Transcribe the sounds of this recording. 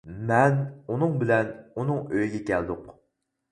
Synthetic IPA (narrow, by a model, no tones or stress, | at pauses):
mɛnunɨŋbɪlɛnunɨŋøjɡʲɛkʲʰɛld̪ʊq